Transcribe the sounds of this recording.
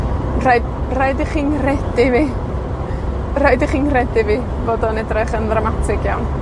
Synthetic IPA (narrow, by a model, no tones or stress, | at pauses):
raɨdraɨdiχiːnrɛdɪviː | raɨdiχiːnrɛdɪviː | voːdɔnɛdrɛχənðramatʰɪɡ̥jawn